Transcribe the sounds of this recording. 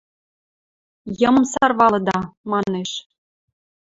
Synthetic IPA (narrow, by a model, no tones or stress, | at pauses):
jɤmə̆msɑrβɑlɤ̆d̪ɑmɑneʃ